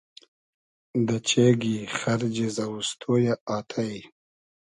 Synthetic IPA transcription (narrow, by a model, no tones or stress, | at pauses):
d̪ət͡ʃeɡixaɾd͡ʒezawust̪ʰojaaːt̪ʰaj